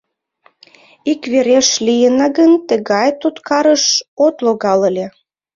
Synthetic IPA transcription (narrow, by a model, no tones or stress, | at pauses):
ikβeɾeʃlʲijənɑɣənt̪əɣɑjt̪ut̪kɑɾəʃot̪loɣɑləlʲe